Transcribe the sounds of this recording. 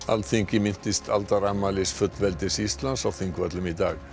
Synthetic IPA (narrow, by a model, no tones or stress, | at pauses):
a̰lt̪θiŋcɪmɪn̥t̪ɪst̪ʰalt̪aɾamːalɪsfʏt̪lvɛlt̪ɪsist̪lansawθiŋkvœt̪lʏmit̪aːɣ